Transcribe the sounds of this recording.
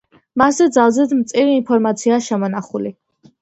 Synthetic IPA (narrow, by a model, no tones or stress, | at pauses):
maszɛd̪zalˠzɛd̪mt̪sʼiɾiːnpʰɔɾmat̪sʰiaːʃɛmɔnaχuli